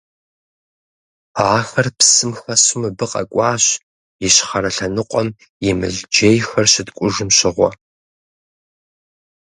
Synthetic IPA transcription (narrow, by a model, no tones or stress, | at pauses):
aːxɐrpsɨmxɐsʊmɨbɨqʼɐ̰kʷʼɑːɕ | jɪɕχɐɾɐɬɐnɨqʷʼɔm | jɪmɨ̰ɮd͡ʒejxɐrɕɪtkʷʼʊʒɨmɕɪʁʷɔ̰